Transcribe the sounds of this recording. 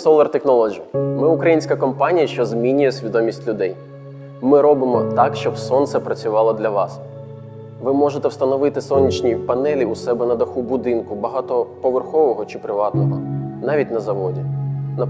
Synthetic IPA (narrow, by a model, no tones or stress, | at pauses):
sɔlˠɐrt̪exnɔlˠɔd͡ʒimɪʊkɾɐjinʲsʲkɐkɔmpɑnʲijɐʃt͡ʃɔzmʲinʲʊjɛsʲʋʲid̪ɔmʲisʲtʲlʲʊd̪ɛj | mɪɾɔbɪmɔt̪ɑkʃt͡ʃɔbsɔnt̪sɛpɾɐt͡sʲʊʋɑlˠɔd̪lʲɐʋɑs | ʋɪmɔʒet̪ɛwst̪ɐnɔʋɪt̪ɪsɔnʲːit͡ʃnʲipɐnɛlʲiʊsɛbɛnɐd̪ɐxubʊd̪ɪnkʊbɐɦɑt̪ɔpɔʋerxɔʋɔɦɔt͡ʃɪpɾɪʋɑt̪nɔɦɔnɑʋʲitʲnɐzɐʋɔdʲinɐ